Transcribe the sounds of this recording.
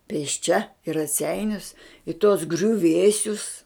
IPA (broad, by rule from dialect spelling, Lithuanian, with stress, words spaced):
pʲeːsʲˈt͡ʃʲɛ ɪ rɐˈsʲɛɪnʲʊs ɪ tuɔs ɡrʲʊˈʋʲeːsʲʊs